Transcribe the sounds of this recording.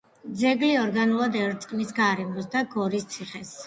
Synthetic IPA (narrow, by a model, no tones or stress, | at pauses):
d̪zɛɡliɔɾɡanulˠad̪ɛɾt̪sʼqʼnisɡaɾɛmɔsd̪aɡɔɾist̪sʰiχɛs